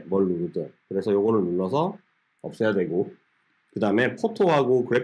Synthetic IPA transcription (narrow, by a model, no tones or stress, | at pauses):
mʌɭːuɾɯdekɯɾe̞sʰʌjoɡʌɾɯɭnuɭːʌsʰʌ | ʌp̚s͈ʌjadwe̞ɡo | kɯdaɯme̞pʰotʰoɦaɡokɯɾe